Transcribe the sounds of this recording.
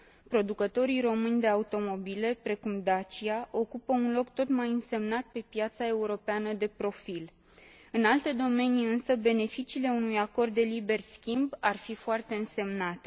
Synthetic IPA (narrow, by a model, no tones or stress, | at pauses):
pɾo̞d̪ukət̪o̞ɾijɾo̞mɨnʲd̪e̞aut̪o̞mo̞bile̞pɾe̞kumd̪at͡ʃiaʔo̞kupəunlo̞kt̪o̞t̪majɨnse̞mnat̪̚pe̞pjat̪sae̞uɾo̞peanəd̪e̞pɾo̞fil | ɨnalt̪e̞d̪o̞me̞niɨnsəbe̞ne̞fit͡ʃiːle̞unujako̞rd̪ːe̞libe̞rskʲimbarfifoart̪e̞ɨnse̞mnat̪e